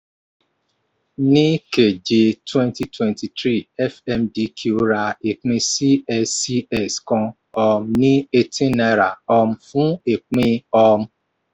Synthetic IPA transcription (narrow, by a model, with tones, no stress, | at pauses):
nĩ˦ke˨d͡ʒe˨twɛ̃˦nti˨twɛ̃˨nti˨tɾi˦˨ɛ˦fɛ˦mdi˦kʰo˦ɾa˧e˨k͡pĩ˧si˦ɛ˦si˦ɛ˨skɔ̃˧ | ɔ˧m˦nĩ˦e˧tʰĩ˦na˦ɾa˨ɔ˧m̩˦fũ˦e˨k͡pĩ˧ɔ˧m̩˦